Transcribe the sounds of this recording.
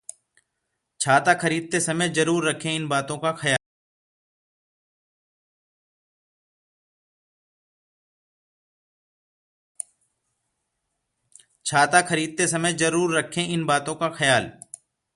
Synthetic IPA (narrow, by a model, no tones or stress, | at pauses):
t͡ʃʰaːt̪akʰəɾiːd̪̚t̪esəməzəɾuːɾːəkʰẽɪnbaːt̪õkaxəjaː | t͡ʃʰaːt̪akʰəɾiːd̪̚t̪esəməjzəɾuːɾːəkʰẽɪnbaːt̪õkaxəjaːl